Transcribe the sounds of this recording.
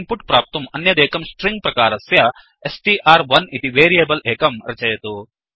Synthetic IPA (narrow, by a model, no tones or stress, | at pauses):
mpuʈpɾaːp̚t̪ɐmɐnːjɐd̪ɛːkɐmsʈɾiŋɡ̚pɾɐkaːɾɐsjɐ | esʈiʔaːɾʋɐnit̪iʋeːɾiɐbɐlʔɛːkɐmɾɐt͡ʃɐjɐt̪u